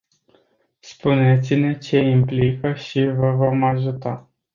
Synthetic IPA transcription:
spune̞t̪sine̞t͡ʃe̞implikəʃivəvo̞maʒut̪a

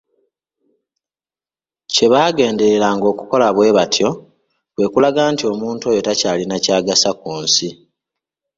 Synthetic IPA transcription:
ce̞βaːɡe̞ːnde̞ɾelaːŋɡo̞ːkuko̞laβwe̞ːβatʰjo̞ | kwe̞ːkulaɡaːntio̞ːmuːntuo̞jo̞tacaːlinacaːɡasakuːnsi

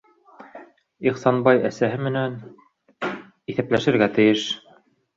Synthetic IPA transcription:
iχsɑnbɑjæsæɦɘmɘ̆næn | iθæplæʃɘ̆ɾɡæt̪ɘ̆jɘʃ

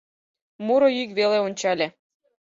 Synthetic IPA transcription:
muɾoykβeleonʲt͡ɕɑlʲe

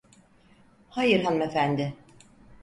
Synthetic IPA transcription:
hajɯɾɦanumefænd̪ɪ

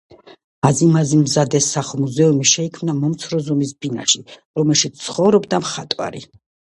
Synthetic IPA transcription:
azimazimzad̪ɛsːaχmuzɛumiʃɛikʰmnamɔmt̪sʰɾɔzɔmis̬bina̰ʃiɾɔmɛlˠʃit̪st̪sʰχɔvɾɔbd̪amχat̪ʼwa̰ɾḭ

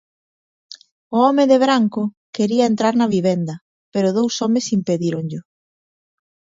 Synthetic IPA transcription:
ʊɔmɪðɪβɾaŋkʊ | keɾiɐent̪ɾaɾnɐβiβend̪ɐ | peɾʊðowsɔmɪsimpeðiɾʊŋʎʊ

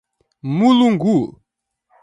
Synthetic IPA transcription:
muluŋɡu

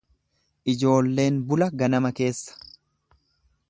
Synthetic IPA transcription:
ʔɪd͡ʒo̞ːlːe̞ːnbʊlɐɡɐnɐmɐke̞ːsːɐ̥

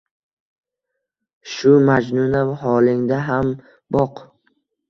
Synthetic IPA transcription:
ʃʊmad͡ʒnunaɦɒlɪŋd̪aɦam | bɒq

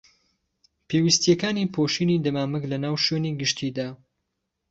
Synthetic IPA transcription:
pʰeːwist̪jɛkaːniːpʰoʃiːniːd̪ɐmaːmɨklɐnaːwʃweniɡɨʃt̪ʰiːd̪aː

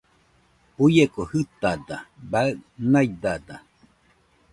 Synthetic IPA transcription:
ujekohɨt̪ad̪abaɨʔnajd̪ad̪a

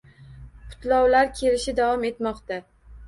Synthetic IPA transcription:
pʰʊ̥t̪lɒwlaɾkʲʰe̞lɪʃɪd̪avɒme̞t̪mɒqt̪a

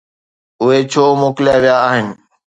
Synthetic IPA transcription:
ʊɦet͡ɕʰoːmoːklijaʋɪjaːɦɪnɪ̆

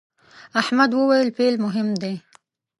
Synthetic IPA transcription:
ʔaħmad̪hʊwːelpeːlmʊɦɪmːd̪eː

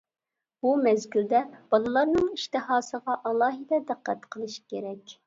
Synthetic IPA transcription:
b̥umɛzɡʲyld̪ɛb̥ɑlˠɨlˠɑɾnɨŋiʃt̪ɨɦɑːsəʁɑʔɑlˠɑːɦɨd̪ɛd̪æqːæt̪qʰəlˠɨʃkʲeɾɛkʲ

